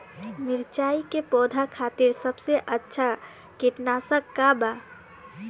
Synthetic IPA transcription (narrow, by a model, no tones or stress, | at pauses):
miɾt͡ʃaikepɔd̪ʱakʰat̪iɾsəbseʔətːʃʰa | kiʈnasə̃kːaba